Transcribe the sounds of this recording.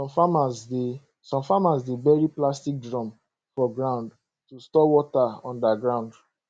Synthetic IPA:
ɔ̃mfamase | sɔ̃mfamasdebɛɹiplastik̚dɹɔ̃m | fɔɡɹãnd | tustɔwɔtaɔ̃ndaɡɹãʊ̃nd

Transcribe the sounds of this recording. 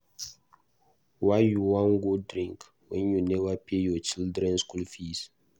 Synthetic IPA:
waɪjuwãnɡudɾĩŋk | wɛ̃njunɛvapejɔt͡ʃildɾɛ̃nskulfis

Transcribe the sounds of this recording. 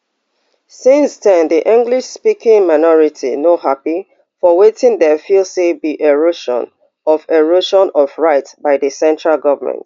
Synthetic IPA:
sɪ̃nsdɛ̃nðiʔĩŋɡliʃspikʰɪ̃ŋmaɪnɔɹitʰḭnohapi | fɔwetɪ̃ŋdɛfilsebiʔeɹoʃɔ̰̃n | ɔfeɹoʃɔ̃nɔvɹaɪtbaɪðəsɛ̃ntɹalɡʌvəmɛ̰̃nt

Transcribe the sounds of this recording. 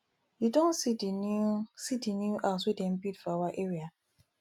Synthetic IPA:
judɔ̃nsidinsidinuʔaswidɛ̃npidfawaʔeɹia

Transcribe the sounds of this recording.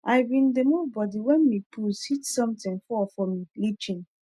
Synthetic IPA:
ʔajbĩndemubɔdiwɛ̃nmipʰushitsɔ̃mtĩnfɔfɔmiblit͡ʃĩn

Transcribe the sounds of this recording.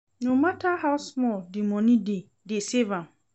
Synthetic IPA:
nũmãtahaʊsmɔldimɔ̃nĩde | desevãm

